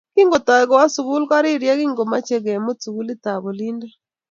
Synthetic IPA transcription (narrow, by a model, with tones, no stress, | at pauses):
ki˦ŋɡo˨tɔ˨ɛ˨ɡɔ˨wa˦su˨ku˦lka˦ɾɪ˦ɾja˦kɪ˦ŋɡo˨ma˦t͡ʃe˦ɡe˨mo˦t͡su˨ku˦lɪ˦ta˨bo˨li˦nda˦